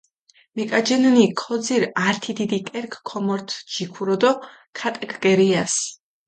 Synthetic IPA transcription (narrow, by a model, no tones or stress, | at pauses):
mɛkʼad͡ʒɛnnikʰɔd̪ziɾaɾt̪ʰid̪id̪ikʼɛɾkʰkʰɔmɔɾt̪ʰd͡ʒikʰuɾɔd̪ɔ | kʰat̪ʼɛkʰɡɛɾias